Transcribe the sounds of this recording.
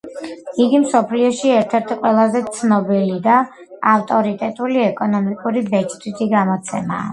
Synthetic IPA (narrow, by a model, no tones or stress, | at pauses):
iɡimsɔpʰliɔʃiɛɾt̪ʰɛɾt̪ʰiqʼwɛlˠazɛt̪sʰnɔbilid̪a | aft̪ʼɔɾit̪ʼɛt̪ʼuliɛkʼɔnɔmikʼuɾibɛt͡ʃʰʼt̪ʰit̪ʰiɡamɔt̪sʰɛma̰ː